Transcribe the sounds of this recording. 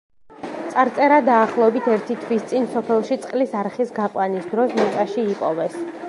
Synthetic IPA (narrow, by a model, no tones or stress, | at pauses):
t̪sʼaɾt̪sʼɛɾad̪aːχlˠɔɛbit̪ʰɛɾt̪ʰit̪ʰwist̪sʼinsɔpʰɛlˠʃit̪sʼqʼlisaɾχisɡaqʼwanisd̪ɾɔsmɛkʼaʃiːpʼɔvɛs